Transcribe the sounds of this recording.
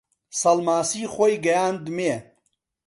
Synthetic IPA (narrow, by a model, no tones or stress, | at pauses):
sɐlmaːsiːxʷoːjɡɐjaːnd̪meː